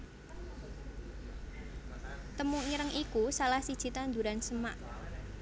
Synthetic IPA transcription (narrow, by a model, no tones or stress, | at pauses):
t̪əmuiɾəŋikusalahsid̥ʒ̥i̤t̪and̪ṳɾansəmaʔ